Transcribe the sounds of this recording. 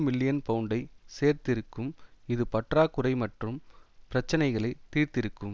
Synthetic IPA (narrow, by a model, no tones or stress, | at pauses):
mɪlːɪjɐnpɐɯɳɖɐɪseːɾt̪ɪɾɯkːɯmɪðɯpɐʈraːkːɯɾɐɪmɐʈrɯmpɪɾɐt͡ʃːɐnɐɪɣɐɭɐɪt̪ːiːɾt̪ɪɾɯkːɯm